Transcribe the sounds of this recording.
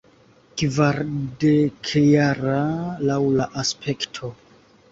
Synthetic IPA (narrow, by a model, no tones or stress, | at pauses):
kvaɾdekʰejaɾalawlaʔaspʰe̞ktʰo̞